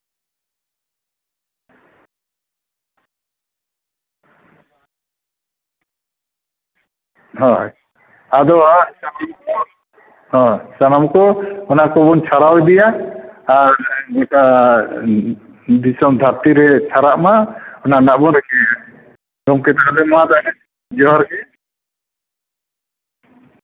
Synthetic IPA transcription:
ɦɔ̃ | ad̪ɔasaamkɔ | ɦɔ̃sanamkɔɔnakɔbɔnt͡ʃʰaɾawɛd̪ɛjaaɾɡɔʈa | d̪isɔmd̪ʱaɾt̪iɾɛt͡ʃʰaɾaʔmaɔnanaʔbɔnɾɛkɛ | ɡɔmkɛt̪akad̪ɛmad̪aɛ | d͡ʒɔɦɔɾkɛ

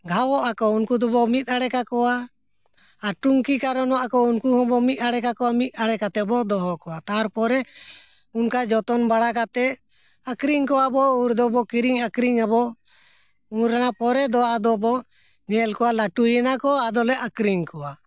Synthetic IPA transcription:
ɡʱawɔʔakɔunkud̪ɔbɔmit̪̚aɽɛkakɔwaː | ʈuŋkikaɾɔnɔwaʔakɔunkuɦɔ̃bɔmit̪̚aɽɛkakɔwamit̪̚aɽɛkat̪ɛbɔd̪ɔɦɔkɔwat̪aɾpɔɾɛ | unkad͡ʒɔt̪ɔnbaɽakat̪ɛʔ | akɾiŋkɔwabɔuɾd̪ɔbɔkiɾiŋakɾiŋabɔ | uɾanapɔɾɛd̪ɔad̪ɔbɔ | ɲɛlkɔwalaʈujɛnakɔad̪ɔlɛʔakɾiŋkɔwa

